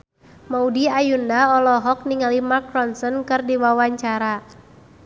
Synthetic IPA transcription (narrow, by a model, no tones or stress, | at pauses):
maudiajundaɔlɔɦɔk̚niŋalimakɾɔnsənkɨrdiwawaɲt͡ʃaɾa